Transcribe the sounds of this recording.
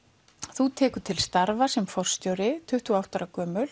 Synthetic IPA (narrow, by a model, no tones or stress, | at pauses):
θut̪ʰɛːkʏ̥t̪ʰɪlst̪aɾvasɛmfɔr̥st̪jowɾɪt̪ʰʏht̪uawht̪aɾakœːmʏl